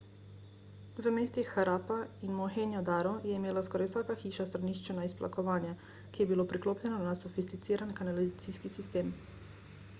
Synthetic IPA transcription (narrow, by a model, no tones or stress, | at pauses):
ʋəmeːst̪ixːaɾaːpainmɔxenjɔd̪aːɾɔjɛimeːlaskɔɾajwsaːkaxiːʃast̪ɾaniʃt͡ʃɛnaispla̰kɔʋaːnja | kijɛbilopɾikloːpʎɛnɔnasɔfist̪it̪siːɾankanalizat̪siːskisist̪eːm